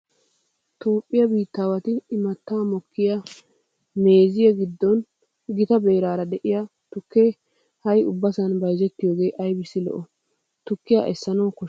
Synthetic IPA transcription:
t̪o̞ːpʼːɪjɐbiːt̪ːaːwɐt̪ɪːmɐt̪ːaːmɔkːɪja | me̞ːzɪjɐɡɪd̪ːɔn | ɡɪt̪ɐbe̞ːɾaːɾɐd̪ɛʔɪjɐ | t̪ʊkːeː | hɐjʊbːɐsɐnbɐjzɛt̪ːɪjoːɡe̞ːʔɐjbɪsːɪlɔ̰ʔɔ | t̪ʊkːɪja̰ʔɛsːɐnɐwkɔ

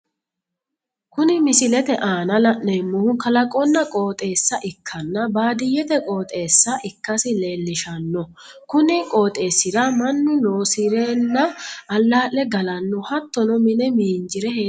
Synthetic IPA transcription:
kʊnɪmɪsɪlɛt̪ɛʔaːnɐlɐʔnɛmːʊhʊkɐlɐkʼɔnːɐkʼo̞ːt̪ʼe̞ːsːɐʔɪkʰːɐnːɐbaːd̪ɪjːɛt̪ɛkʼo̞ːt̪ʼe̞ːsːɐʔɪkːɐsɪle̞ːlːɪʃɐnːɔ | kʊnɪkʼoːt̪ʼe̞ːsːɪɾɐmɐnːʊnoːsɪɾeːnːɐːlːaːʔːɛɡɐlɐnːʊhɐt̪ːɔnɔmɪnɛmiːnd͡ʒɪɾɛheː

